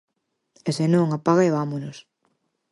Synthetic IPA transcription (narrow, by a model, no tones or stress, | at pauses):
esenõŋapaɣaeβamonos